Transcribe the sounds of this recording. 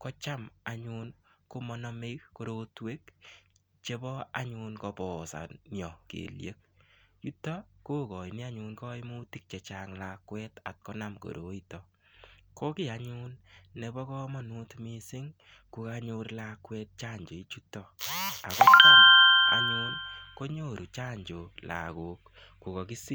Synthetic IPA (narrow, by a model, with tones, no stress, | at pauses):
kɔ˦t͡ʃa˦ma˨ɲu˧nko˦mɔ˦nɔme˦kko˦ɾo˦twe˦k | t͡ʃe˦bɔ˦a˦ɲunkɔ˧pɔː˨sa̰˨njɔ˨kḛ˨ljḛ˦k̚t͡ʃu˦tɔ˦koː˦kɔ˨ini˦a˦ɲunkɔ˦i˦mu˦ti˦k̚t͡ʃɛ˨t͡ʃaŋlakwɛ˦ta̰˨t̚kɔ˦na˨mko̰˨ɾo˨itɔ | ko˦kɪ˦a˦ɲu˦nːe˨˧bɔ˦kɔ˦mɔ˦nu˦tmi˦sɪ˦ŋ | ku˧ka˧ɲo˦ɾlakwɛ˦t̚t͡ʃa˦ɲd͡ʒo˨i˦t͡ʃu˦tːɔ˨a˨kɔ˦ki˦a̰˨ɲu˦nko˦ɲo˦˨ɾu˨t͡ʃa˦ɲd͡ʒo˨la̰˨ko˨k̚ | ku˨kɔ˨ki˦si˦